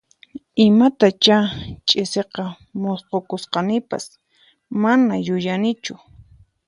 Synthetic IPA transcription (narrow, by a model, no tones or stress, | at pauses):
ɪmat̪at͡ʃat͡ʃʼɪseqɑ | mosqokʊsqɑnɪpa̰s | manajʊjanɪt͡ʃʊ